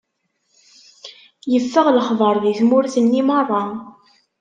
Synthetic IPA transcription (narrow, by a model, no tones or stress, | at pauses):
jəfːəʁləχðˤəɾˤðiθmʊɾθənːimɑrˤːɑ